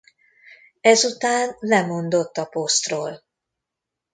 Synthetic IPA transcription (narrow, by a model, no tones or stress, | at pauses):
ɛzut̪aːnlɛmo̞nd̪o̞t̪ːɒpo̞st̪roːl